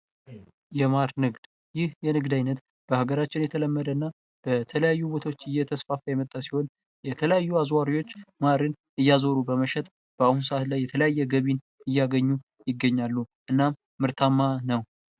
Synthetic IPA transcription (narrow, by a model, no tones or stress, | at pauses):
jɛmaɾnɨɡd̪̥ | jɪhjɛnɨɡd̪ajnət̪ | b̥əhaɡəɾat͡ʃːɪnjɛt̪ʰələmːəd̪əɨnːa | b̥ət̪ʰələjajːubo̞t̪ʰawot͡ʃːɨjːɛt̪ʰəsfafəjɛmət̪ʼːasiho̞n | jɛt̪ʰələjajːuazwaɾiwo̞t͡ʃːmaɾɨn | ʔɨjːazo̞ɾubəməʃɛt̪ʼ | b̥əahuns̬əʔat̪lajːɛt̪ʰələjajːɛɡəβin | ɨjːaɡəɲːu | jɪɡːəɲːalːuʔɨnːamːɨɾt̪ʰamːanəw